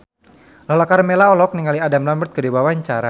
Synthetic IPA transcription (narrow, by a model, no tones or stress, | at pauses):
lalakarmelaɔlɔk̚niŋaliadamlambərt̪̚kədiwawaɲt͡ʃaɾa